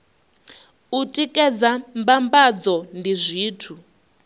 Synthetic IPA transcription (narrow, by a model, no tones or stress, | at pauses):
utʼikʼɛd͡zambambad͡zɔndizʷiːtʰu